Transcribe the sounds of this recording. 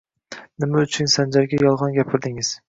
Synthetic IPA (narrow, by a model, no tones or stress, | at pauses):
nɪmaʊt͡ʃʰʊnsand͡ʒaɾɡʲajɒlˠʁɒnɡʲapʰɪɾd̪ɪŋɪz̥